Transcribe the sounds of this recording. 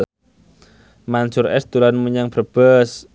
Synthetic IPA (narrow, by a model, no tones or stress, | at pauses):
mansʊrɛ̰sd̪ulanmuɲaŋb̥ərb̥əs